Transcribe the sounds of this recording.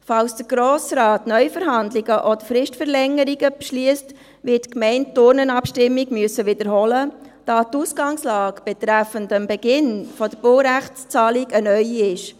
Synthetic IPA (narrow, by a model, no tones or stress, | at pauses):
fɑlsd̥əɡ̥ɾoːsɾɑːtnœʏfəɾɦɑndliɡəʔɔd̥əɾfɾɪʃtfəɾlɛŋːəɾiɡəpʃliəst | ʋɪtkmɛɪnttʊɾnənɑpʃtɪmːiɡmyəsəʋɪd̥əɾɦɔləd̥ɑːtusɡ̥ɑŋslɑːɡb̥ɛt̪ɾæfəndəmbɛɡ̥ɪnfɔd̥əɾb̥olɾæχt͡st͡sɑːliɡənœʏiɪʃ